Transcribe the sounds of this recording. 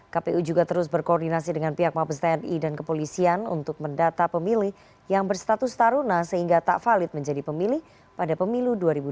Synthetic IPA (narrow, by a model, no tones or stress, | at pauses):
kapeud͡ʒuɡat̪əɾʊs̬bərkoɔrdinasidəŋanpiɦak̚mapəst̪ɛɛnidankəpolisianṵnt̪ʊk̚məndat̪apəmilɪh | jaŋbərst̪at̪ʊst̪aɾunasəɦiŋɡat̪a̰ʔfalɪt̪̚məɲd͡ʒadipəmilɪh | padapəmiluduaɾibu